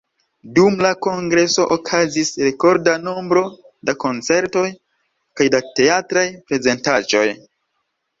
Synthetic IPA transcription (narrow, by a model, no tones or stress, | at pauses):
dumlako̞ŋɡɾe̞so̞ʔokʰazisɾe̞ko̞ɾdano̞mbɾo̞ | dako̞nt͡se̞ɾto̞j | kajdate̞atɾajpɾe̞ze̞ntad͡ʒo̞̰j